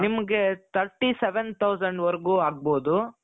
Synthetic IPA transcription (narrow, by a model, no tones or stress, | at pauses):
nimɐɡet̪ʰɐɾʈːiseʋent̪ʰɐwd͡ʒɐɳɖʋɐɾɐɡuːaːɡ̚boːd̪u